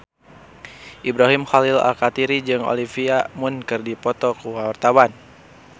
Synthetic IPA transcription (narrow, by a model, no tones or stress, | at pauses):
ʔibɾaɦimxalila̰kat̪iɾid͡ʒɨŋo̰lifiamunkɨrdipɔt̪ɔkuwawart̪awan